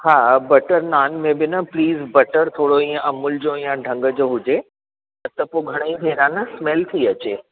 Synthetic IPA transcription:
haːbɐʈəɾnaːnmẽbɪnɐpliːzbɐʈəɾt̪ʰoːɽoĩːãʔɐmʊld͡ʑoːijãɖʱɐ̃ŋɡəd͡ʑoːɦʊd͡ʑe | ɐt̪ɐpoɡʱɐɽ̃əĩbʱeːɾãːnɐsmɛlt̪ʰiɐt͡ɕeː

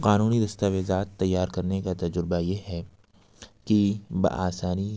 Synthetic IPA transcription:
qaːnuːnid̪ɐst̪aʋezaːt̪ːɐjːaːɾkɐɾnekat̪ɐd͡ʒɾɪbajeɦɛ | kibɐ̰ʔaːsaːni

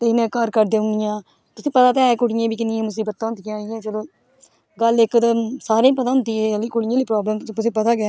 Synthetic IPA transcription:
t̪eːɪnẽːkəɾkəɾd̪ẽːʊnɪjãː | t̪ʊsĩːpət̪aːt̪ɛːɛːkʊɽɪjẽːbiːkɪnɪjẽːmʊs̬iːbət̪ːãʊnd̪ijãːijẽːt͡ʃəloː | ɡəlɪkːt̪saːɾẽːpət̪aːɦʊ̃nd̪iːẽːəliːkʊɽɪjãːliːpɾɔːbləːmt̪ʊs̬ĩːpət̪aːɡɪː

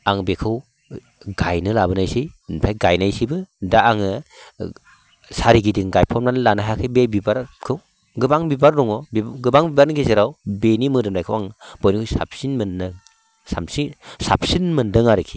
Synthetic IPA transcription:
aŋbekʰɯw | ɡajnɯlabɯnajsinpʰajɡajnajsibɯdaːŋɯ | saɾiɡidiŋɡajpʰɔmnanlanaɦakʰɯbebibaɾkʰɯw | ɡɯbaŋbibaɾdɔŋɔbiɡɯbaŋbibaɾnɯɡezeɾawbenimɯdɯmlajkʰɯwaŋb̥ɔjnikʰɯjsa̰p̚sinmɯnːɯ | samsisap̚sinmɯndɯŋaɾɯkʰi̥

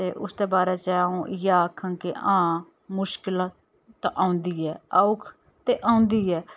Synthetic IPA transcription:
t̪eːʔʊ̰sd̪eːbaːɾeːt͡ʃɛũːjaːkʰə̃ŋkḛʔãː | mʊʃkɪl | t̪ʔaːũnd̪iːɛːaʊkʰ | t̪eːʔãːũnd̪iːɛː

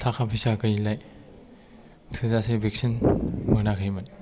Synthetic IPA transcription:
tʰaxʰapʰisakɯjilaj | tʰɯzasebek̚sinmɯnakʰɯjmɯn

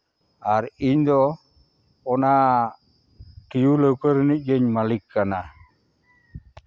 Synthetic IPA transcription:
aɾiɲd̪ɔ | ɔna | tijuləwkəɾnid͡ʒeɲmalikːana

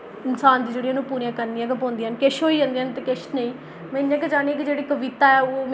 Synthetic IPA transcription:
ɪnsaːnd̪iːd͡ʒeːɽiãːnũːpuːɾijãːkəɾniːãːk̬əpõːnd̪iːankeʃɦoːiːãːnd̪iːɦənt̪ekeʃnəĩː | mɛ̃ɪnjãːkɛd͡ʒaːñiãːk̬id͡ʒeːɽiːkəʋɪt̪aːɛːoːm

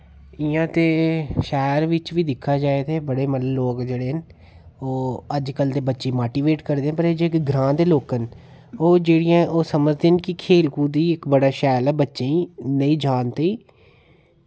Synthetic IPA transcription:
ɪjãːt̪eːʃɛːɾʋɪt͡ʃʋiːd̪ɪkʰːaːd͡ʒaːeːt̪eːbəɽeːməlloːkd͡ʒeːɽeːɦən | oːəd͡ʒkəld̪eːbətːʃeːmoːʈiːʋeːʈkəɾd̪eːãpəɾəd͡ʒɪkɡɾãːd̪eːloːkən | oːd͡ʒeːɽɪjãːʔoːsəməd͡ʒd̪eːnkɪkʰeːlkuːd̪iːɪkbəɽaːʃɛːlɛːbətːʃeːĩːnəĩːd͡ʒaːnt̪eiː

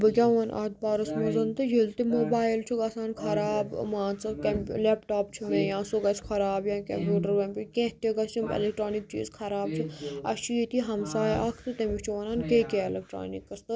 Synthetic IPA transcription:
bɨkʲãːʋoːnʔɐ̰t̪̚baːɾɐsmozɐnt̪ɨjilt̪imoːbaːjilt͡ʃʰuɡaːsaːnkʰɐɾaːbmãːt͡sɨkempleːpʈaːpt͡ʃʰumẽjãːsoːɡɐt͡ʃʰkʰɐɾaːbjãːkʲempʲjuːʈɐɾʋẽpikʲẽt̪eɡɐst͡ʃimḛlek̚ʈɾaːnik̚t͡ʃḭːzkʰɐɾaːb̚t͡ʃʰuɐ̰ʃʰiit̪iɦɐmsaːjʔɐkʰt̪ɨt̪emit͡ʃʰuʋɐnaːnkeːkʲeelek̚ʈɾa̰ːnikːɐst̪ɨ

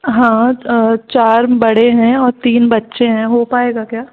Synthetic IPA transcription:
ɦãːt͡ʃaːɾbɐɽeɦɛ̃ɔːɾt̪iːnbɐtːʃeɦɛ̃ɦopaːeːɡakjaː

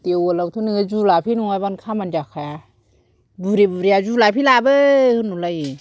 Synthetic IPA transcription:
t̪iəwolawt̪ʰunɯzulapʰinuajbankʰamand͡ʒakʰːaa | buɾibuɾiazulaːpʰilaːbəkʰɯnulaji

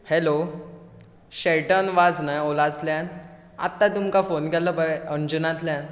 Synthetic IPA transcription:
helo | ɕeʈənʋad͡znajolat̪ljãn | a̰t̪ːat̪umkafonkɛləpaəɳd͡ʑunat̪ljãn

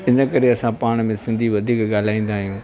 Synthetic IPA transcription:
ɪnəkɐɾeɐsãpaːɽ̃mẽsɪ̃nd̪ʱiʋɐd̪ʱiːkɠaːl̤aːĩːn̆d̪aːɦijũː

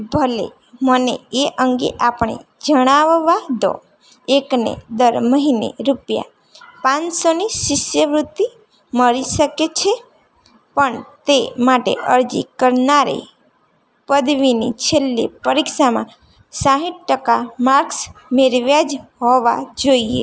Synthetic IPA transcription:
bʱəlḛ | mənḛeʔəŋɡḛʔapɳ̃ḛd͡ʒəɽ̃aʋʋad̪ɔ̰ | eknḛd̪əɾməɦinḛɾupja̰ | pãt͡ʃsonisɪsjəʋɾʊt̪ːi | məɾisəket͡ʃʰe | pəɳt̪emaʈḛʔəɾd͡ʒḭkəɾnaɾḭ | pəd̪ʋinḭt͡ʃʰelːḭpəɾikʃamã̰ | sãɦiʈ̚ʈəkamaɾksmeɾʋjad͡ʒɦoʋa̰d͡ʒoiḛ

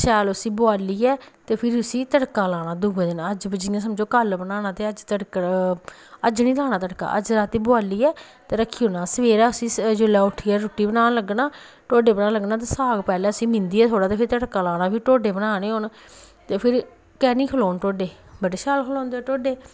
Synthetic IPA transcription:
ʃɛːlʊsĩːbʊaːliːɛːt̪eːpʰɪɾiʊsĩːt̪əɽkaːlaːnaːd̪ubɛːd̪ɪnəd͡ʒbəd͡ʒiːãːs̬əmd͡ʒõːkəlbənaːnaːt̪eːəd͡ʒt̪əɽkə | əd͡ʒnĩːlaːnaːt̪əɽka̰ːʔə̰d͡ʒɾaːt̪iːbʊaːliːɛː | t̪eːɾəkʰːiːoːnaːsəʋeːɾaːəsĩːd͡ʒʊlaːʊʈʰːiːɛːɾʊːʈiːbənaːləɡnaː | ʈoːɖeːbənaːləɡnaːt̪̬eːsaːɡpɛːlɛ̃ːəsĩːmɪ̃nd̪iːɛːt̪ʰoːɽaːt̪eːpʰɪɾt̪əɽkaːlaːnaːpʰɪʈoːɖeːbənaːneːoːn | t̪eːpʰɪɾ | kɛːnĩːkʰəloːnʈoːɖeːbəɖeːʃɛːlkʰəlɔ̃ːnd̪eːɛːʈoːɖeː

